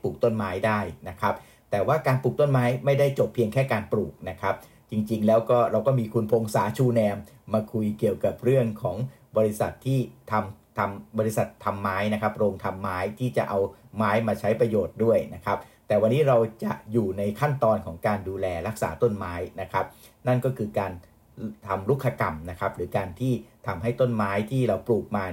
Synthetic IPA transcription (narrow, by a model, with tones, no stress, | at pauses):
puː˨˩k̚t̪o˥˩nmaː˦˥jdaː˥˩jna˦˥kʰa˦˥p̚ | t̪ɛː˨˩waː˥˩kaː˧npuː˨˩k̚t̪o˥˩nmaː˦˥jma˥˩jda˥˩jt͡ɕo˨˩pʰːi˧əŋkʰɛː˥˩kaː˧npɾuː˨˩k̚na˦˥kʰa˦˥p̚ | t͡ɕi˧ŋt͡ɕi˧ŋlɛː˦˥wkɔː˥˩ɾa˧wkɔː˥˩miː˧kʰu˧npʰo˧ŋsa̰ː˩˦t͡ɕʰuː˧nɛː˧mː | aː˧kʰu˧jki˨˩əwka˨˩p̚ɾɯ˥˩əŋkʰɔː˩˦ŋ | bɔː˧ɾi˦˥sa˨˩t̪ʰːiː˥˩t̪ʰa˧mt̪ʰa˧mbɔː˧ɾi˦˥sa˨˩t̪ʰːa˧mːaː˦˥jna˦˥kʰa˦˥p̚ɾoː˧ŋt̪ʰa˧mːaː˦˥jt̪ʰiː˥˩t͡ɕa˨˩ʔa˧wmaː˦˥jmaː˧t͡ɕʰa˦˥jpɾa˧joː˨˩t̪̚du˥˩əjna˦˥kʰa˦˥p̚t̪ɛː˨˩wa˧nːiː˦˥ɾa˧wt͡ɕa˨˩ʔjuː˨˩na˧jkʰa˥˩nt̪ɔː˧nkʰɔː˩˦ŋkaː˧nduː˧lɛː˧ɾa˦˥k̚sa̰ː˩˦t̪o˥˩nmaː˦˥jna˦˥kʰa˦˥p̚ | na˥˩nkɔː˥˩kʰɯː˧kaː˧n | t̪ʰa˧mɾu˦˥kʰːa˧ka̰˧mna˦˥kʰa˦˥p̚ɾɯː˩˦kaː˧nt̪ʰiː˥˩t̪ʰa˧mɦa˥˩jt̪o˥˩nmaː˦˥jt̪ʰiː˥˩ɾa˧wpluː˨˩k̚maː˧